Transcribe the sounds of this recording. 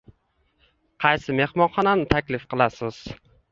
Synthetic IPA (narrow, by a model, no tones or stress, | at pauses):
qʰɑjsɪme̞hmɒnχɒnanɪt̪ʰakʲlɪfqɨlˠasɪz̥